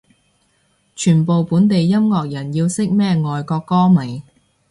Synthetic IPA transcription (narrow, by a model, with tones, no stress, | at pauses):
t͡ʃʰyː˨˩npo˨wpuː˨˥nt̪e˨jːɐ˥mŋɔː˧k̚jɐ˨˩njiː˧wsɪ˥k̚mɛː˥ŋɔː˨jkɔː˧kːɔː˥mɐ˨˩j